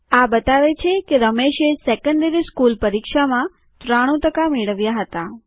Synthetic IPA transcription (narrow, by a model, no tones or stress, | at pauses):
abət̪aʋet͡ʃʰekeɾəmeʃesɛkə̃nd̪əɾiskulpəɾikʃamã | t̪ɾaɽ̃ũt̪əkameɭəʋjaɦət̪a